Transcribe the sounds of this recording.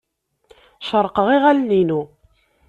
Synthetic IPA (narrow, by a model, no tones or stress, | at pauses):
ʃəɾˤqəʁiʁælninu